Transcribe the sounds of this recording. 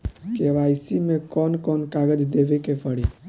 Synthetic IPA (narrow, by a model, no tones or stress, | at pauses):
keʋajsimẽkɔːnkɔnkaɡəd͡ʒd̪eʋekepʰəɽi